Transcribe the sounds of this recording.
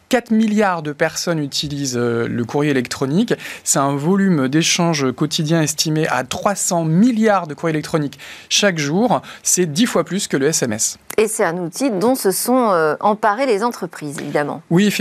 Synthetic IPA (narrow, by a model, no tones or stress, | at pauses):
kat̪χmiljaʁd̪əpɛʁsɔnyt̪ʰilizøləkuʁjeelɛk̚t̪χɔnikʲsɛt̪ɛ̃vɔlymd̪eʃɑ̃ʒkɔt̪ʰid̪jɛ̃ɛst̪ʰimeʔa̰t̪χwasɑ̃miljaʁd̪əkuʁjelɛk̚t̪χɔnikʃakʒuʁsɛd̪ifwaplyskələɛsɛmɛsesɛt̪ɛ̃nut̪id̪ɔ̃səsɔ̃øɑ̃paʁelezɑ̃t̪χəpχizḛvid̪amɑ̰̃wif